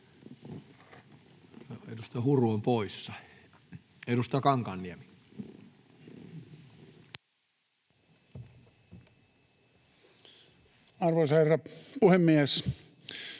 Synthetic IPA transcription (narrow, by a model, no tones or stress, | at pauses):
ḛdust̪ɑhuruompoisːɑ̥ | edust̪ɑkɑŋkɑnːiæmi | ɑrʋosɑherːɑpuhemːies